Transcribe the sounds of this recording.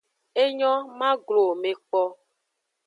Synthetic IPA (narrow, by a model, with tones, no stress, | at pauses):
e˦ɲɔ̃˦mã˦ɡlo˨me˨k͡pɔ˦